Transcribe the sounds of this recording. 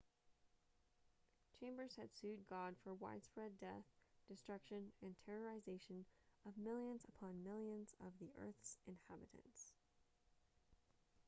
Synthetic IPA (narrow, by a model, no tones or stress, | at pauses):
t͡ʃʰẽɪ̃mbə˞z̥ɨd̥sʉd̚ɡɑd̥fə˞wa̰ɪd̥spɹɛdɛθd̥ɨstɹ̥ʌkʃɨ̃nɨ̃ntʰɛɹə˞ɨzeɪʃɨ̃nʌvmɪlˠjɨ̃nzəpʰɑ̃nmɪlˠjɨ̃nzʌ̰vðiʔɜ̰˞θsʔɨ̃nhæbɨɾɨ̰̃ns